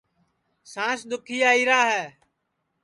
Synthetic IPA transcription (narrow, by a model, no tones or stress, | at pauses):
sãːsɗ̪ʊkʰiːaːiːɾaːɦɛː